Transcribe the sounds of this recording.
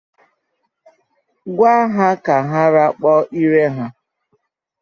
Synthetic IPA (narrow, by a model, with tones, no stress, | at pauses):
ɡʷa˦ɦa˦ka˨ɦa˦ɾa˦k͡pɔ˦ʔi˦ɾe˦ɦa˦